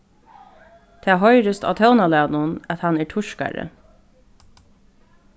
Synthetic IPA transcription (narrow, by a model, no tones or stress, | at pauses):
t̪ʰæːɦɔjɾəst̪a̰ːt̪ʰœwnalæːnʊnæt̪hɑnɛːʈʰʊʂka̰ɾə̰